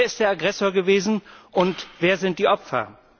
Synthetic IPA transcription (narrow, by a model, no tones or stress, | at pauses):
ɐɪst̚d̥eːɐaɡʁɛsoːɐɡəveːzn̩ʔʊntv̥eːɐzɪnt̚d̥iːʔɔpfɐ̰